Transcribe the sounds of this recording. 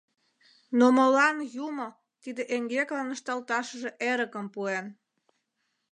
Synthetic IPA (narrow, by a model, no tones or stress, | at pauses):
nomolɑnjumo | t̪id̪eʔeŋɡeklɑnəʃt̪ɑlt̪ɑʃəʒeʔeɾəkəmpuen